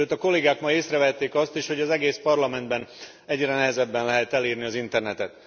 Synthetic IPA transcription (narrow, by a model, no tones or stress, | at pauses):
øːt̪ɒko̞lːeːɡaːkmɒjeːsrɛvɛt̪ːeːkɒst̪iʃho̞ɟɒzɛɡeːspɒrlɒmɛnd̪bɛn | ɛɟrɛnɛɦɛzɛbːɛnlɛɦɛt̪ɛliːrniɒzint̪ɛrnɛt̪ɛt̪